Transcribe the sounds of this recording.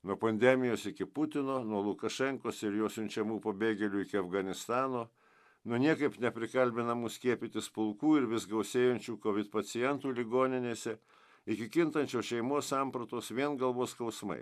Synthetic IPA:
nuɔpɐnʲd̪ʲɛmʲɪjoːsɪkʲɪpʊt̪ʲɪnoːnuɔlˠʊkɐʃʲɛŋkoːsɪɾjoːsʲʊnʲt͡ʃʲɛmuːpɐbʲeːɡʲɛlʲuːɪkʲɪɐfɡɐnʲɪst̪ɑːnoː | nʊnʲiɛkɐɪpnʲɛpʲɾʲɪkɐlʲbʲɪnɐmuːsʲkʲiɛpʲɪt̪ʲɪspʊlˠkuːɪɾʋʲɪsɡɐʊsʲeːjɛnʲt͡ʃʲuːkoʋʲɪt̪pɐt̪sʲɪjɛnt̪uːlʲɪɡoːnʲɪnʲeːsʲɛ | ɪkʲɪkʲɪnt̪ɐnʲt͡ʃʲoːʃʲɛɪmoːsɑmpɾɐt̪oːsʋʲiɛnɡɐlˠʋoːskɐʊsmɐ̰ɪ

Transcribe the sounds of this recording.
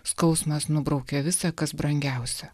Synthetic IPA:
skɒʊsmɐsnʊbɾɐʊkʲɛʋʲɪsɐkɐsbɾɐŋʲɡʲæˑʊsʲɛ

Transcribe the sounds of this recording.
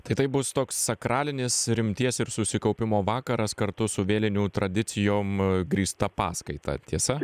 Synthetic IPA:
t̪ɐɪt̪ɐɪbʊst̪oːkssɐkɾɑːlʲɪnʲɪsɾʲɪmʲt̪ʲiɛsɪɾsʊsʲɪkɐʊpʲɪmoːʋɑːkɐɾɐskɐɾt̪ʊsʊʋʲeːlʲɪnʲuːt̪ɾɐd̪ʲɪt̪sʲɪjoːmɡɾʲiːst̪ɐpɑ̰ːskɐɪt̪ɐ̰t̪ʲiɛsɐ

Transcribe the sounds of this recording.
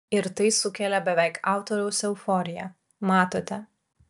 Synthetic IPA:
ɪɾt̪ɐɪsʊkʲɛlʲɛbʲɛʋʲɛˑɪkɑˑʊt̪ɔɾʲɛʊsʲɛʊfɔɾʲɪjɛ | mɑːt̪oːt̪ʲɛ

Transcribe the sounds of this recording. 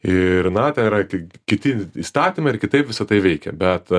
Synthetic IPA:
ɪrnɐt̪ʲɛniɾɐkʲɪkʲɪt̪ʲɪiːst̪ɑːt̪ʲimɐɪɪɾkʲɪt̪ɐɪpʋʲɪsɐt̪ɐɪʋʲɛɪkʲɛ̰bʲɛt̪

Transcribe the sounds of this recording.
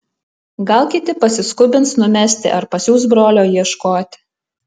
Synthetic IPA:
ɡɐlˠkʲɪt̪ʲɪpɐsʲɪskʊbʲɪntsnʊmʲɛsʲt̪ʲɪ̰ʔɐɾpɐsʲjuːs̬bɾoːlʲoːjiɛʃkoːt̪ʲ

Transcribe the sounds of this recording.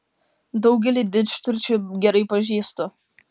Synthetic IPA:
d̪ɐʊɡʲɛlʲiːd̪ʲɪd͡ʒʲɪ̥t̪ʊɾʲt͡ʃʲʊɡʲɛɾɐɪpɐʒʲiːst̪o

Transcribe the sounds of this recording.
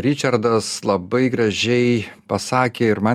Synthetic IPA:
ɾʲɪt͡ʃʲɐɾd̪ɐslˠɐbɐɪɡɾɐʒʲɛɪpɐsɑːkʲeːɪɾmɐ

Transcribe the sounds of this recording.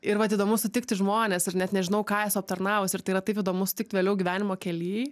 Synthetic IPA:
ɪɾʋɐt̪iːd̪oːmʊsʊt̪ʲɪk̚t̪ʲɪʒmoːnʲeːsɪrnʲɛt̪nʲɛʒʲɪnɐʊkɑːjɛsɐp̚t̪ɐɾnɑːʋʊsʲɪrt̪ɐɪiɾɐt̪ɐɪpiːd̪oːmʊsʊ̥t̪ʲɪkt̪ʲʋʲeːlʲɛʊɡʲiʋʲæːnʲɪmoːkʲɛlʲiː

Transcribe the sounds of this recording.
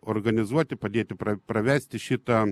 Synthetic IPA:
orɡɐnʲɪzuɔt̪ʲɪpɐd̪ʲeːt̪ʲɪpɾɐpɾɐʋʲæːsʲt̪ʲɪʃʲɪt̪ɐ

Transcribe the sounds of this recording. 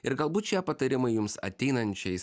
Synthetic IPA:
ɪɾɡɐlˠbuːt̪ʃʲiɛpɐt̪ɐɾʲɪmɐɪjʊmsɐ̰t̪ʲɛɪnɐnʲt͡ʃʲɛɪs

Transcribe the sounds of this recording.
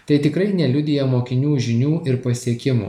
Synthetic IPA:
t̪ɐɪt̪ʲɪkɾɐɪnʲɛlʲʊd̪ʲɪjɛmoːkʲɪnʲuːʒʲɪnʲuːɪɾpɐsʲiɛkʲɪmṵː

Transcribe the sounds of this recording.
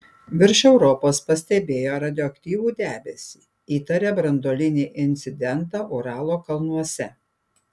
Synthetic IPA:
ʋʲɪɾʲʃɛʊɾɔpoːspɐsʲt̪ʲɛbʲeːjoːɾɐd̪ʲɪoːɐkt̪ʲiːʋuːd̪ʲæːbʲɛsʲiː | iːt̪ɐɾʲebɾɐnd̪oːlʲɪnʲeːʔɪnʲt̪sʲɪd̪ʲɛnt̪ɑːʔɔɾɑːlˠoːkɐlˠnuɔsʲɛ

